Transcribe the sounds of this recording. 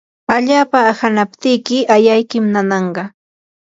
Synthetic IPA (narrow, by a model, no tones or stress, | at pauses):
aʎaːpaːhanapt̪ɪjkɪajajkɪmnanɑɴɢɑ